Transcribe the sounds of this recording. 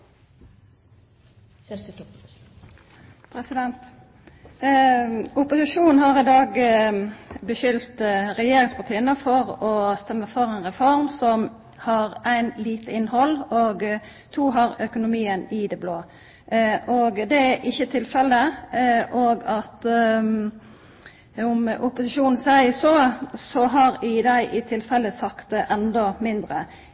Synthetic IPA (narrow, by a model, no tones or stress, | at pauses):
pʰɾɛsɪd̪ɛnt̪ | ʊpʊsɪʃuːnn̩hɑʁɪd̪ɑːɡ | bəʃʏlt̪ʁɛjeːɾɪŋspʰɑʁt̪ʰiːənəfɔʁɔst̪ɛmːəfɔʁæɪnʁɛfɔɾmsɔm | hɑʁæɪnliːt̪əɪnhɔlːoɡ | t̪ʰuːɦɑɾœkʊnʊmiːənɪd̪ɛbloː | ʔoɡd̪ɛæʔɪçːət̪ʰɪlfɛlːəʔoɡɑt̪ | ʊmʔʊpʊsɪʃuːnn̩sæɪəsɔsɔɦɑɾɪd̪æɪʔɪt̪ʰɪlfɛlːəsɑkt̪̚d̪ɛʔɛnd̪ɔmɪnd̪ɾə